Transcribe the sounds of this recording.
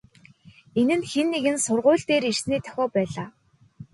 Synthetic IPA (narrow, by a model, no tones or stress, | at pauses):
enɘ̆nxenːeɣɘ̆nsʊrʁʊ̟ːɮt̪eːɾirsniːt̪ʰœ̥xʲɔːpæːɮaː